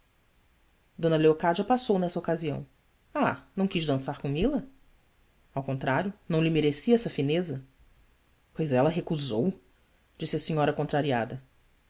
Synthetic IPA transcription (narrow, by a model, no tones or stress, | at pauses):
d̪õnɐleokad͡ʒɐpasownɛsɐokaziɐ̰̃w̃ | anɐ̃w̃kiʒd̪ɐ̃saɾkõmilɐ | awkõnt̪ɾaɾjʊnɐ̃w̃lɪmeɾesiɛsɐfinezɐ | pojzɛlɐɦekuzow | d͡ʒisɪɐsĩɲɔɾɐkõnt̪ɾaɾiad̪ɐ